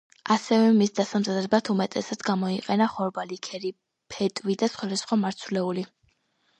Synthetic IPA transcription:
asɛvɛmisd̪asamzad̪ɾɛbat̪ʰumɛt̪ʼɛsad̪sɡamɔiqʼɛnaχɔɾbalikʰɛɾi | pʰɛt̪ʼvid̪asχwad̪asχwamaɾt̪sʰvlɛuli

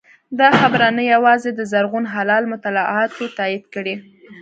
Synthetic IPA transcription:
d̪ɑxabɾanajawɑzed̪əzaɾɣunɦalɑlmʊt̪alaʔɑt̪ot̪ɑid̪kəɽi

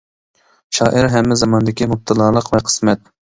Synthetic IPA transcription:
ʃɑːʔɪɾɦɛmːɪzɑmɑnd̪ɪkʲimʊp̚t̪ʰɨlˠɑːlˠəqvɛqʰə̥smɛt̪̚

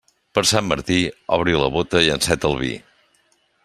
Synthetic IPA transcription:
pəɾsamːəɾt̪iɔβɾiləβut̪əiənsɛt̪əlˠβḭ

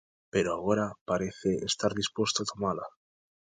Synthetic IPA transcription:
pe̞ɾoaɣ̞o̞ɾapaɾe̞θe̞est̪aɾðispwe̞st̪oat̪o̞mala

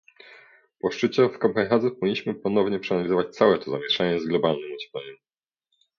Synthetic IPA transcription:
pɔʂt͡ʂɘt͡ɕɛfkamajxazupɔiɲːiɕmɘpɔnɔvɲɛpʂɛanalʲizɔvat͡ɕt̪sawɛt̪ɔzamʲjɛʂaɲɛzɡlɔbalnɨmɔd͡ʑɛ̥plɛɲu

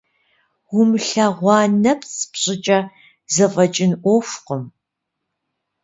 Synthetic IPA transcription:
wʊmɬaʁʷɑːnɐpt͡sʰpɕʼɪt͡ʃʼɐ | zɨfʼɐt͡ʃʼɪnʔʷɔʃʷqəm

